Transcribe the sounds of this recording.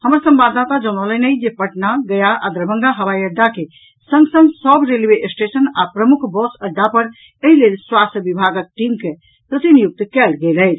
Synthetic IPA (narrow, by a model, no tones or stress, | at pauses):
həməɾsə̃mbad̪at̪ad͡ʒəñələnəjd͡ʒepəʈnaɡəjaʔad̪ɾəbʱəŋɡaɦəʋajəɖ̪ake | səŋɡsə̃ŋɡsəbɾelbeʔsʈesənapɾəmukʰbɔsəɾɖapəɾ | əɦilelswast̪əbibʱaɡək̚ʈimke | pɾət̪inijuk̚t̪kɛlɡeləjt͡ʃʰ